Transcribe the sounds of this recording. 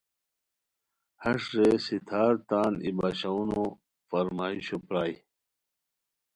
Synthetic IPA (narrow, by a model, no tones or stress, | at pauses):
hɐʂɾesit̪ʰaːɾt̪aːnibaːɕauno | fɐɾmaːiɕopɾaːj